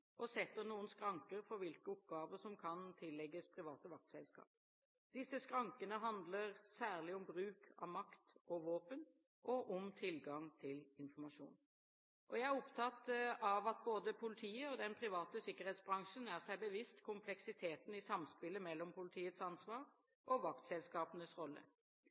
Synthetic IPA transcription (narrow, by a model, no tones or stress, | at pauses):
ʔɔsɛt̪ːəɾnuːənskɾɑŋkəɾfɔɾʋɪlkəɔp̚ɡɑːʋəʂɔmkʰɑnt̪ʰɪlːɛɡːəspʰɾɪʋɑːt̪əʋɑk̚t̪sɛlskɑ̰ːp̚ | d̪ɪsːəskɾɑŋkənəɦɑnd̪ləɾsæːʁlɪɔmbɾʉːkʰɑ̰ʋmɑkt̪ʔɔʋoːpən | ʔɔʔɔmt̪ʰɪlɡɑŋt̪ʰɪlɪnfɔmɑʂṵːn | ʔɔjæɪæʁɔpt̪ʰɑt̪ɑʋɑt̪̚boːd̪əpʰʊlɪt̪ʰiːəɔd̪ɛnpʰʁɪʋɑːt̪əsɪkːəʁheːt̪sbʁɑŋʂənæʁsæɪbəʋɪst̪kʰʊmpʰlɛksɪt̪ʰeːt̪n̩ɪsɑmspɪləmɛlːɔmpʰʊlɪt̪ʰiːət̪sɑnsʋɑːʁ | ʔɔʋɑkt̪sɛlskɑːpənəsʁɔlːə̰